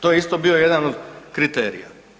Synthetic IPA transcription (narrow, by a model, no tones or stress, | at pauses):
t̪ojeist̪o̞bio̞je̞d̪anod̪kɾit̪eːɾḭja̰